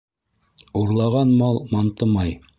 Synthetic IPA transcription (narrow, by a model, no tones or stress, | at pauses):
uɾlˠɑʁɑnmɑlˠmɑnt̪ɤmɑj